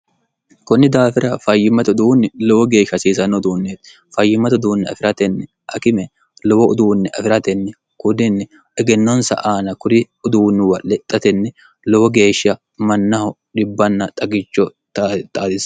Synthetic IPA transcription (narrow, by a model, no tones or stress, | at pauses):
kɔnːɪd̪aːfɪɾɐfɐjːɪmːɐt̪ʊd̪uːnːɪlɔwɔɡe̞ːʃːɐsiːsɐnːɔʊd̪uːnːeːt̪ | fɐjːɪmːɐt̪ʊd̪uːnːɪɐ̰fɪɾɐt̪ɛnːɛ | ʔɐkɪmɛ | lɔwɔʊd̪uːnːɛʔɐfɪɾɐt̪ɛnːɛ | kʊd̪ɪnːɛ | ɛɡɛnːɔnsɐ̰ʔaːnɐkʊɾɪ | ʊd̪uːnːɪwɐlːɛt̪ʼːɐt̪ɛnːɛ | lɔwɔɡe̞ːʃɐ | mɐnːɐhɔ | ɗɪbːɐnːɐt̪ʼɐɡɪt͡ʃːɔt̪t̪ʼaːd̪ɪs